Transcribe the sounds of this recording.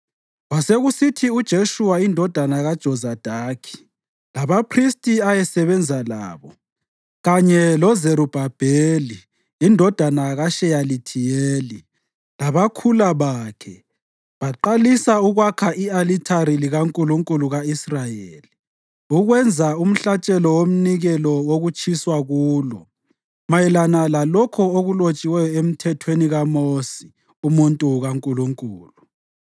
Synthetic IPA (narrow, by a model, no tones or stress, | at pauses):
waseɣusitʰiud̥ʒ̥ʱeʃuwaindʱɔd̥ʱanaɣad̥ʒ̥ʱɔzad̥ʱaːkʰi̥ | laβapʰristʼiajɛsɛβɛnd͡zʱala̰ːβɔ | ɣaɲɛlɔzeɾub̥ʱab̥ʱeːliː | ndʱɔd̥ʱanaɣaʃɛjalitʰijeːli | laβakʰulaβaːkʰɛ | βaǃalisauɣwakʰaʔialitʰaɾiliɣaŋkʼuluŋkʼuluɣaisrajeːli | uɣwɛnd͡zʱaum̩ɬat͡ʃʼɛlɔwom̩niɣɛlɔwoɣut͡ʃʰiswaɣuːlɔ̰ | majɛlanalalɔkʰɔoɣulot͡ʃʼiwɛjɔem̩tʰɛtʰweniɣamosi | umuntʼuɣaŋkʼuluŋkʼuːlu